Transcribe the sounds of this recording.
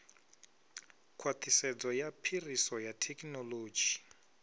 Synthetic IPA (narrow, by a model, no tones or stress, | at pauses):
kʰwat̪ʰisɛd͡zɔjapʰirisɔjatʰɛknɔloːd͡ʒi